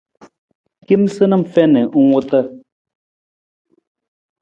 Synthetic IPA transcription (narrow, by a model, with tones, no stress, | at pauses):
ki˦msɨ˦nə˦˨m̩˨fɛ˦nə˨ʔu˦ŋu˦tə˦˨